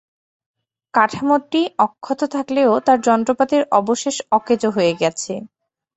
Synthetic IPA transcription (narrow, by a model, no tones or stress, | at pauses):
kaʈʰamoʈʈiɔkʰːot̪ot̪ʰakleot̪aɾd͡ʑɔnt̪ɾopat̪iɾɔboʃeʃɔked͡ʑoɦoeɡɛt͡ɕʰe